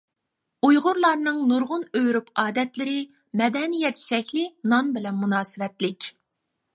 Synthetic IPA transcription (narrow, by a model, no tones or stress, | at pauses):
ujʁʊɾlˠɑɾnɨŋnuɾʁʊnøjɾypɑːd̪ɛt̪lɪɾɪ | mɛd̪ɛnijɛt̪ʃɛkʲlɪnɑnbɪlɛnmunɑːsɨvɛt̪lɪkʲ